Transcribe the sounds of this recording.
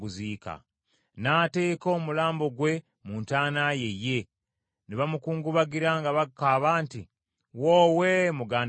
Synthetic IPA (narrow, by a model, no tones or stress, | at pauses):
ɡuziːka̰ | naːte̞ːko̞ːmulaːmbo̞ɡwe̞ | muːntaːnaje̞jːe̞ | niβamukuːŋɡuβaɡiɾaŋɡaβakaβaːnti | woːwemuɡaːn